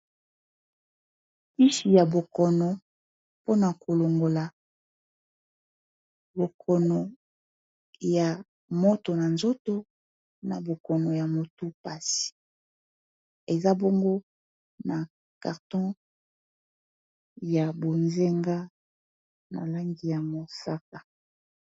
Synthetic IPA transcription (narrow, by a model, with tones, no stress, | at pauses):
pi˦ʃi˨ja˨bo˨kɔ˨nɔ˨ | po˦na˨ko˨lo˨ŋɡo˨la˨ | bo˨kʰɔ˨nɔ˨ | ja˨ | mo˦to˨na˨nzo˦to˦ | na̰˨bo˨kɔ˨nɔ˨ja˨mo˨tu˦pa˦si̥˨ | e˨za˦bo˦ŋɡo˦ | na˨ | ka̰˨ʁtɔ̃˦ | ja˨bo˨nze˦ŋɡa˦ | na̰˨la˦ŋɡi˨ja˨mo˨sa˦k̚a˨